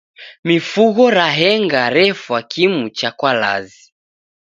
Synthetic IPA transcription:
mifuɣɔɾaɦɛŋɡaɾɛfwakʰimut͡ʃakwala̰zi

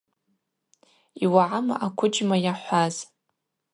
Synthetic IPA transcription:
iwaʕama̰ʔakʷʰʊd͡ʒmajaħʷaz

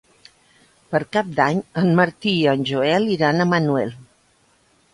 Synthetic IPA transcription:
pəɾkap̚d̪aɲənməɾt̪iənʲʒuɛliɾanəmənuɛlˠ

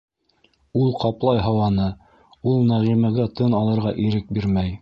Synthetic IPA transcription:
ulˠqɑplˠɑjɦɤwɑnɤ | ulˠnæʁimæɡæt̪ɤnɑlˠɤ̆ɾʁɑʔiɾɘk̚biɾmæj

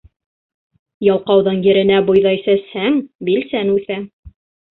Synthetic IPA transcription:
jɑlˠqɑwðɤnjɘ̆ɾɘ̆næbŏjðɑjsæshæŋbilsænʉθæ

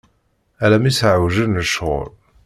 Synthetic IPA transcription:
ælæmisʕawʒənnəʃʁʊ̰ɾ

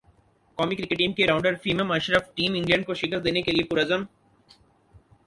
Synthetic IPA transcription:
kɔːmikɾɪkeʈĩmkeɾãʊ̃ɳɖəɾfiːməmɐʃɾəfʈĩːmɪ̃ɳɖiə̃ɳɖ̚koʃɪkəɾd̪eːnekeliepʊɾɐzəm

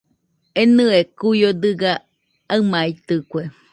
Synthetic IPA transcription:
enɨekujod̪ɨɡa | aɨmait̪ɨkʷe

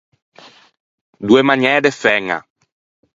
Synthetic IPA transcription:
d̪uemaɲɛːd̪efɛŋa̰

